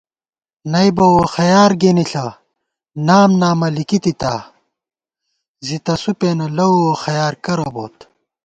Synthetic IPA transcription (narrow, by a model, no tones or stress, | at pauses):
nɐjbɐwoxɐjaːɾɡeniɬɐ | naːmnaːmɐlikit̪it̪a | zit̪ɐsupeːnɐlɐuoxɐjaːɾkɐɾɐbo̰ːt̪